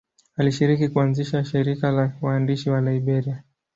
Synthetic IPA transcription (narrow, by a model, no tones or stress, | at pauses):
aliʃiɾikikuanziʃaʃiɾikalawaːndiʃiwalaiɓɛɾia